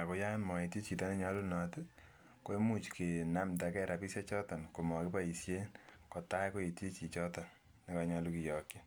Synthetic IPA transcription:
a˨ko˦ja˦nmɔ˨e˨ti˦t͡ʃi˨tɔ˦ne˦ɲɔ˦lu˦nɔtɪ | ko˦e˦mu˦˨t͡ʃke˨na˦mta˨kɛ˦ɾa˨pisa˦t͡ʃɔ˦tɔ˨nko˨mɔ˨ke˦pa˦i˨sje˦nkɔ˨ta˦jko˦e˨ti˦t͡ʃi˨t͡ʃɔ˦tɔ˨n | ni˦kɔɲɔ˧lu˦ki˨jɔ˨kji˦

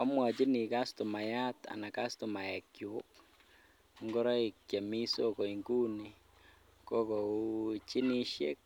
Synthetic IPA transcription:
ɔ̰˦mwa˨t͡ʃi˦ni˨ka˦stʊ˨ma˨ja˦t̪a̰˨na˨ka˦stʊ˨ma˨ja˨kju˨˦k | ŋɡʊ˦ɾɔ˦i˨kja˨mi˦so˦ko˨iŋɡu˦ni˨ | kɔ˦kɔ˨ut͡ʃi˦ni˦ʃjḛ˦k̚

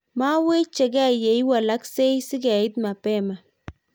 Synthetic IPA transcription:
ma˦we˦t͡ʃɛ˨ɡɛ˦je˨jwa˨la˦kse˦jsɪ˦ɡɛ˨ɪ˦t̪̚ma˨pɛ˦˨ma˨

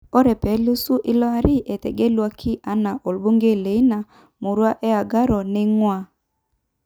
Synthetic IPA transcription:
ɔ˦ɾɛ˨pɛ˨˦lu˦su˦ʔi˦lɔ˦a˦ɾɪ˦ʔe˨te˨ɡe˦lwa˦kʰɪ˦ʔa˦na˨ʔo˨lbo˦ŋɡe˦˨le˨i˦na˨ | mu˨ɾwa˦ʔɛ˦a˨ɡa˦ɾɔ˨nɛ˦ŋwa˨

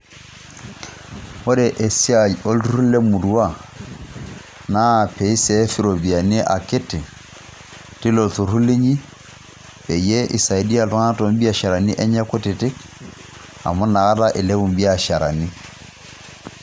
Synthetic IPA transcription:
ɔ˦ɾɛ˨ʔɛ˨sa˨ɔ˦lɾu˦lɛ˦mu˨du˦wa˦˨ | na˦˨pɛ˨i˦sɛ˦fi˦ɾɔ˨bi˨a˨ne˦ʔa̰˨ke˦tɪ˨ | ti˦lɔ˨ltu˨ɾu˦le˦ɲi˦ | pɛ˨jɛ˦ʔi˨sa˨i˨di˦a˨lɔ˦ŋa˦tɔ˨m˦bi˦a˦˨ʃa˨ɾa˨ni˦ʔɛ˦ɲa˦ko˦te˨te˦k | a̰˨mɔ˦na˨ɣa˦la˦ʔe˨lɛ˦wu˨m˦bi˦a˨ʃa˨ɾa̰˨ni˦

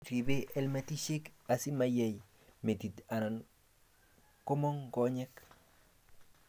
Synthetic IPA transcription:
ɾi˨be˦ʔɛ˦lme˦ti˦ʃe˦ka˨si˦ma˨jɛ˦j | me˨ti˨ta˨na˨n | ko˦mɔ˦ŋɡɔ˦ɲɛ˦k

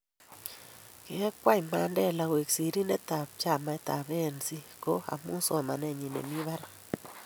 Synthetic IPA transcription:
ke˨ɛ˦kwa˦i˨ma˨˦ndɛ˦la˨we˨ksi˨ɾi˦ne˦t̪a˨p̚t͡ʃa˦˨ma˨ɛ˦t̪a˨βe˦˨nsi˦ko˦a̰˨mu˦sɔ˨ma˨nɛ˨ɲi˨nḛ˨mi˦βa˦ɾa˨

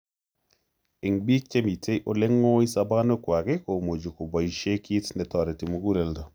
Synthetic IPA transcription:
i˨ŋbi˦t͡ʃːe˦mi˨tʰe˦jʔo˦le˦ŋːo˦i˦sa˦ba˦no˦kwa˨ke˦ko˨mo˨d͡ʒu˨ku˨ba˨jʃe˦ki˦tnɛ˨tɔ˨ɾe˨ti˨mu˨ɡu˦lɛ˨ldɔ˨

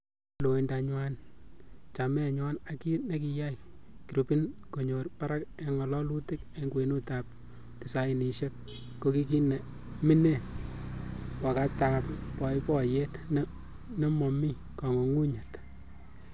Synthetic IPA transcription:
lo˨e˨nda˨ɲwa˦n | t͡ʃa˨mɛ˦˨ɲwa˦na˨ki˦ne˦ki˨ja˦jki˨ɾu˨pi˦nko˨ɲo˨rpa˦ɾa˦ke˨ŋɔ˨lɔ˦lu˦tɪ˦ke˨ŋɡwe˨nu˦ta˨p̚ | tɪ˨sa˨˦ɪ˨ni˨ʃe˦k̚ː | o˦ki˦ki˦nɛ˨ | mɪ˦ne˦˨n | wa˨ka˦taː˨ppɔ˨jpɔ˦je˦tn˦ | ne˦mɔ˨mi˦ | kɔ˨ŋo˨ŋu˦ɲɛ˨lt

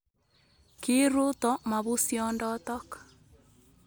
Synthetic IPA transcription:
ki˦ɾu˦tɔ˦ma˨βu˦sjɔndɔtɔ˦k

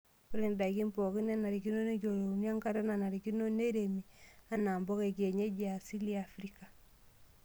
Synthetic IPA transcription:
ku˦ɾe˨nda˨ki˦mpɔ˨ki˦n˦a˦na˨ɾi˨ki˦no˦ne˦ko˨ɾo˨n˦a˦ŋka˦ɾa˦na˨na˨ɾi˨ki˦no˦ne˦ɾe˨mi˨a˦na˨mbɔ˦ke˨ke˨ɲe˦d͡ʒi˦a˨si˦li˦a˨fɾi˦ka˨

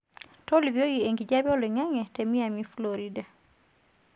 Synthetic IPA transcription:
tɔ˦li˨vi˨o˦ɡi˨e˨ŋɡi˨d͡ʒa˦bjɔ˦le˨ŋa˦ŋɛ˨tɛ˨mi˦a˨mi˦floɾida˨

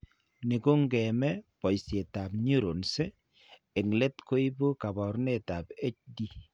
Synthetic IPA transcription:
ni˨ko˦ŋɡɛ˨mɛ˦pɔ˨jse˨ta˨pɲu˦ɾo˨nse˦ | e˨ŋle˦tko˦i˦bo˦ka˨bɔ˨ɾne˦ta˨be˦t͡ʃ̚di˦

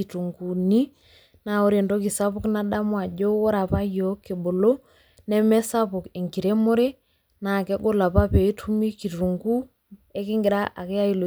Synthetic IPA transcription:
i˨tu˨ŋɡu˨ni˦ | na˦˨o˦ɾe˨ndo˦ki˨sa˦pʊ˦kna˦ɗa˦mwa˨ɟo˦wɔ˦ɾa˨pa˦jo˨˦ke˨bo˨lo˦ | nɛ˦mɛ˦sa˦pʊ˨ke˨ŋɡi˨ɾe˦mo˦ɾe˦ | na˨kɛ˦ɡo˦la˨pa˦pe˨i˦tʰu˦mi˦ki˨tu˨ŋɡu˦ | e˦kɪ˦ŋɡɪ˨ɾa˦ʔa˨kɛ˦a˦i˦lo˨

